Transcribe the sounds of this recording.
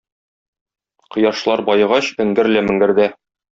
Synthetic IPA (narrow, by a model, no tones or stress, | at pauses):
qɤ̆jɑʃlˠɑɾbɒjɤ̆ʁɑɕɵ̆ŋɡɘ̆ɾlæmɘ̆ŋɡɘ̆ɾd̪æ